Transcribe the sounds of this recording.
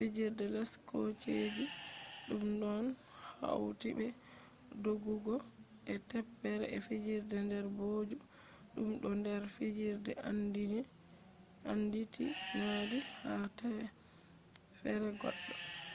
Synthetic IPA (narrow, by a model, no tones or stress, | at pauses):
fid͡ʒiɾdɛlaskot͡ʃed͡ʒi | ɗumɗɔn | ha̰wtibɛ | doɡuɡɔ | ʔɛtɛpːɛɾɛ̰ɛfid͡ʒiɾdɛndɛɾboːd͡ʒi | ɗumɗɔndɛɾfid͡ʒiɾdɛandidɛ | anditḭ | ŋadihata | fɛɾɛɡɔ̰ɗːɔ